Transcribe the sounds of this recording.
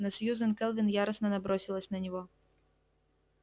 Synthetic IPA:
nɐsʲjuzɐnkɛlˠvʲinjaɾɐsnɐnɐbɾɔsʲilˠɐsʲnɐnʲɔɣɔ

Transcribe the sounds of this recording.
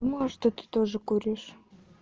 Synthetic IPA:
moʃt̪ot̪ɨ̥t̪oʐɤ̆kuɾʲeʃ

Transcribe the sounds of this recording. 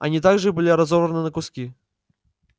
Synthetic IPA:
ɐa̰nʲit̪̬aɡʐɨbɨlʲiɾazɔvɾɐnɨnɐkuskʲi

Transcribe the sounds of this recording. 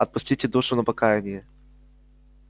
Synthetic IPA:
ɐt̪̚pʊsʲtʲitʲɪd̪oʂʊnɐpɐkajɛnʲɪjɛ

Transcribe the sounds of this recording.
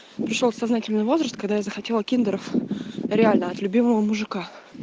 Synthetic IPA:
pɾʲɪʂʲot̪sɐznatʲɪlʲnɨjvo̞zɾəst̪kɐɡd̪ajazəxɐtʲe̞lˠəkʲind̪əɾəfɾʲɪalʲnəɐt̪lʲʉbʲiməvəmʊʐɨka

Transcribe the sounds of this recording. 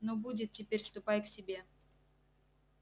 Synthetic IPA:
nobudʲɪt̪̚tʲːɪpʲeɾʲst̪ʊpajksʲɪbʲe̞

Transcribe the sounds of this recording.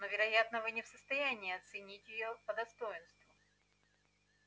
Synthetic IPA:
novʲɪɾɐjat̪nəvɨnʲɪfsəst̪ɐjænʲɪːɐt̪sɨnʲitʲjɪjopəd̪ɐst̪o̞jɪnst̪vʊ

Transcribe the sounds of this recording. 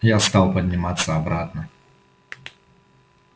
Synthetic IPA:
jast̪awpɐd̪ʲnʲɪmat̪sːɐabɾat̪nɐ

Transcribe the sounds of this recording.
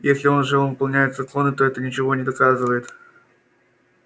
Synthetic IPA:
jesʲlʲɪo̞nʐɨonvɨpɐlˠnʲæjɪt̪zɐklˠo̞nɨt̪o̞ɛt̪ənʲɪt͡ɕɪvo̞nʲɪd̪ɐkazɨvəjɪt̪

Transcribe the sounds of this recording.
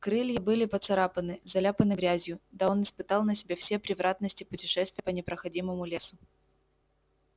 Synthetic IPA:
kɾɨlʲjəbɨlʲɪpət̪sɐɾapənɨzɐlʲapənɨɡɾʲæzʲjʊd̪aonɨspɨt̪ɑlˠnəsʲɪbʲefsʲepɾʲɪvɾat̪̚nəsʲtʲɪpʊtʲɪʂɛst̪vɪjəpənʲɪpɾəxɐdʲiməmʊlʲe̞sʊ

